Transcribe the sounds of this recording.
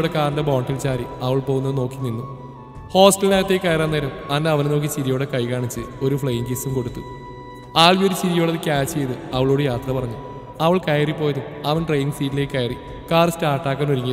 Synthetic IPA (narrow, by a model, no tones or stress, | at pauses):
ɽekaːnd̪ɐboːɳɖilt͡ɕaːɾiɐʋɐɭpo̞ːɣunɐðɨno̞ːkːininːu | ho̞ːsʈɐlinaːɣɐt̪ːeːkʲːɐjɐɾaːnːeːɾɐmɐnːeɐʋɐneno̞ːk̬ːit͡ɕiɾijoːɽekɐjkaːɳit͡ɕːɨo̞ɾufɭejiŋɡisumko̞ɽut̪ːu | aːɭʋioɾuɕiɾijo̞ːɽɐðɨkʲaːt͡ɕt͡ɕejðɨɐʋɐɭoːɽejaːt̪rɐpɐrɐɲːu | ɐʋɐɭkɐjɐripːo̞ːjɐðum | ɐʋɐnʈrejiŋɡsiːtːileːkʲːɐjɐri | kaːrstaːrʈːaːkːaːnoɾiŋʲːi